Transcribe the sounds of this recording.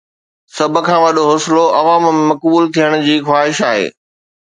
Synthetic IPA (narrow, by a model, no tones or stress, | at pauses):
sɐb̆ʱkʰãːʋɐɗoɦoːsɪloʔɐʋaːmmẽmɐkbuːlt̪ʰijəɽ̃d͡ʑiːxwaːɦɪʃaːɦḛː